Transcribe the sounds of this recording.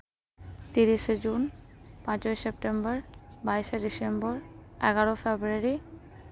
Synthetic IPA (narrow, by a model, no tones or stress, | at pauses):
t̪iɾiʃd͡ʑunpãt͡ɕojsep̚ʈembɔɹbajsedisembɔɹɛ̰ɡaɹofʰebɾuaɹi